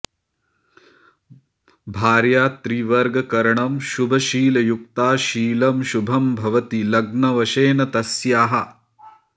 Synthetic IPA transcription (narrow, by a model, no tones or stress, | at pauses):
bʱaːɾjaːt̪ɾiːʋɐɾɡɐkɐɾɐɳɐmʃubʱɐʃiːlɐjukt̪aːʃiːlɐmʃubʱɐmbʱɐʋɐt̪ilɐɡnɐʋɐʃeːnɐt̪ɐsjaːɦɐ